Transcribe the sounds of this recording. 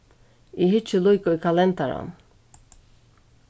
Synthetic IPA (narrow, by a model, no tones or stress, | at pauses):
iɦit͡ʃʰilujkʼɔikʰalɛnt̪ʰaɾa̰n